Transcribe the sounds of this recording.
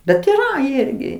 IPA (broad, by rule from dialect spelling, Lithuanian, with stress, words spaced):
bʲɛt iːˈrɐ ˈɪrʲɡʲɪ